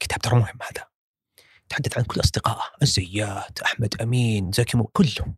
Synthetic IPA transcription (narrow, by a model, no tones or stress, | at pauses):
kɪ̥t̪aːb̚t̪ɑɾˤmʊhɪmːhaːða | t̪ħad̪ːaθʕankʊlːʔɑsˤd̪ɪqɑ̰ːʔʔazːajːaːt̪ʔaħmad̪ʔamiːnzakɪmkʊlːʊ